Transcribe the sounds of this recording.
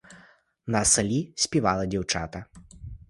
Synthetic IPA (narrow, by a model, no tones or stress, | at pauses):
nɐsɐlʲisʲpʲivalˠɐd͡zʲɛwt͡ʂa̰t̪ɐ